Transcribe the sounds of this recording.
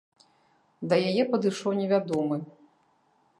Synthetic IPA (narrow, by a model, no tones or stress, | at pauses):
d̪ɐjajɛpɐd̪ɨʂɔwnʲɛvʲad̪ɔmɨ